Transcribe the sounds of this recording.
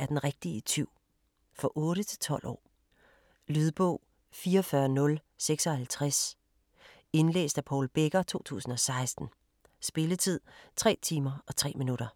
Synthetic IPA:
æɐd̥enʁeɡ̥̚d̥it͡sʰiʊ̰ | fɒ̽ʔɔ̽ːɾət͡sʰe̝̥lt͡sʰɒ̽l̰ʔɒ̰ː | lyðˠb̥ɔ̰ʊ̰ | fiːɐɒfɶɐnɔ̽l | seɡ̥sɒ̽hælt͡sʰʁas | e̝nlḛːsd̥æpʰɒːlb̥eɡ̥ɐt͡sʰo̝̰ːt͡sʰṵːsn̩ɒ̽sɑ̈ɪsd̥n̩ | sb̥e̝lət͡sʰið̞̰ˠt͡sʰʁɛ̰ːt͡sʰiːmɐɒ̽t͡sʰʁɛ̰ːminuɾ̥ɐ

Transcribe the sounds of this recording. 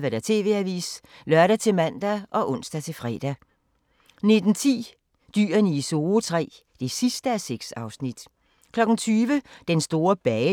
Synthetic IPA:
ʋæɾ̥æt͡sʰe̝̰ːʋe̝æʋḭːs | lɶɐɾæt͡sʰe̝mæn̰d̥æʔɒ̽ʔɔ̽n̰sd̥æt͡sʰe̝fʁɛ̰ːd̥æ | ne̝d̥n̩t͡sʰḭː | d̥y̰ːɐnəiso̝ːt͡sʰʁɛ̰ː | d̥e̝sisd̥əæseɡ̥sɑ̈ʊsnid̥ | kʰlɒ̽ɡ̥n̩t͡sʰyːʋəd̥ensd̥o̝ːɐb̥ɛː

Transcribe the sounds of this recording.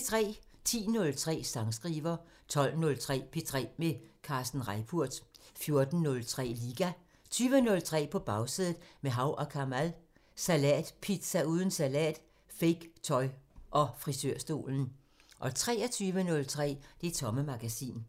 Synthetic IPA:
t͡sʰʁɛ̰ː | t͡sʰḭːnɔ̽lt͡sʰʁɛ̰ːsɑ̈ŋsɡ̥ʁiːʋɐ | t͡sʰɒ̽l̰nɔ̽lt͡sʰʁɛ̰ːpʰe̝t͡sʰʁɛ̰ːmekʰɑ̈ːsd̥n̩ʁɑɪpʰuɐ̰d̥fjo̝ɐd̥n̩ːɔ̽lt͡sʰʁɛ̰ːliɡ̥æ | t͡sʰyːʋənɔ̽lt͡sʰʁɛ̰ːpʰɒ̽b̥ɑ̈ʊsiðˠð̩ˠmeɦɑ̈ʊʔɒ̽kʰɑmæl | sælɛ̰ːd̥pʰid̥sæuːð̞ˠn̩sælɛ̰ːd̥ | feɪɡ̥t͡sʰɒ̽ɪʔɒ̽fʁisøɐ̰sd̥o̝̰ːln̩ | ʔɒ̽t͡sʰʁɛ̰ːɒt͡sʰyːʋənɔ̽lt͡sʰʁɛ̰ːd̥e̝t͡sʰɒ̽məmɑ̈ɡ̥æsḭːn

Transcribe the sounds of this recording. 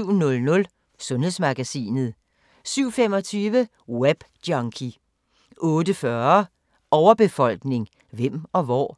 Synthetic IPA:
ʊ̰nɔ̽lnɔ̽l | sɔ̽nhe̝ð̰ˠsmɑ̈ɡ̥æsḭːnð̞̩ˠ | syʊ̰femɒ̽t͡sʰyːʋə | web̥d̥jɒŋkʰi | ʔɔ̽ːdəfɶɐ | ɒʊɐb̥e̝fɒ̽l̰ɡ̥ne̝ŋ | ʋem̰ɒ̽ʋɒ̰ː

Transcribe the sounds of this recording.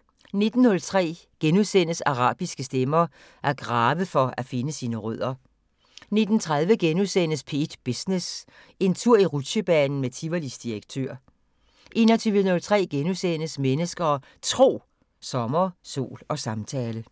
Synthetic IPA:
ne̝d̥n̩hɔ̽lt͡sʰʁɛ̰ː | ɡ̥enuðˠsen̰əsɑ̈ʁɑ̰̈ːb̥isɡ̥əsd̥emɐ | ʔæɐɡ̥ʁɑ̈ːʋəfɒ̽æfe̝nəsiːnəʁœð̞̰ˠɐ | ne̝d̥n̩t͡sʰʁaðˠʋəɡ̥enuðsen̰əspʰe̝̰ːd̥b̥isnes | e̝nt͡sʰuɐ̰iʁud̥ɕəb̥ɛːnn̩met͡sʰiʋɐlisd̥iɐɡ̥̚t͡sʰø̰ɐ̰ | ʔe̝̰nɐt͡sʰyːʋənɔ̽lt͡sʰʁɛ̰ːɡ̥enusen̰əsmenəsɡ̥ɐː | t͡sʰʁo̝̰ː | sɒ̽mɐso̝̰ːlɒ̽sɑ̈mt͡sʰɛːlə

